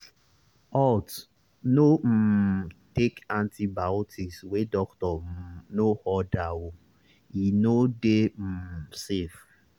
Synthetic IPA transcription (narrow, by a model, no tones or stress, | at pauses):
ɔt | nom̩tekãntibaotʰiswedɔktɔm̩nohɔdawo | inodem̩sef